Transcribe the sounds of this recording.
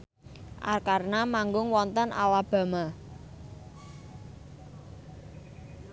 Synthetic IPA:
ʔa̰rkarnamaŋɡʊŋwɔnt̪ənʔalab̥a̤ma

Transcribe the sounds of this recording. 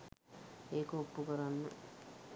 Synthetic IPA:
eːkoːpːukəɾanːə̰

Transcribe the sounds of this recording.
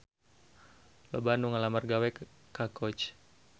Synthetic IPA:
lɔ̰banuŋalamarɡawɛ | kakɔt͡ʃ

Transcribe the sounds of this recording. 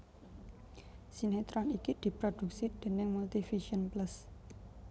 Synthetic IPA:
sinet̪ɾɔnikid̪̥i̤pɾod̪̥ṳk̚sid̪̥e̤nɪŋmult̪ifiʃiənplas

